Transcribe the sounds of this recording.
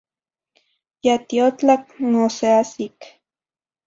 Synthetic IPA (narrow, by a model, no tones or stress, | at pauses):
jat̪iot͡ɬak̚noseasik